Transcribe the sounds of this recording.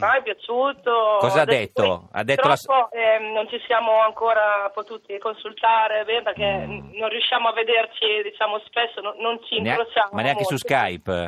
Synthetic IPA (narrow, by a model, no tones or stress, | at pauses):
vajpjat͡ʃuːt̪okɔːzzaːd̪ːɛt̪ːoa̰d̪ːɛt̪ɾolapːoɛnont͡ʃisjaːmoaŋkoːɾapot̪uːt̪ikonsult̪aːɾebɛːnperk̟ɛnonrjuʃːjaːmoavːed̪ert͡ʃid̪it͡ʃaːmospesːonoːont͡ʃiŋnealosjaːmaneaŋkesuskajp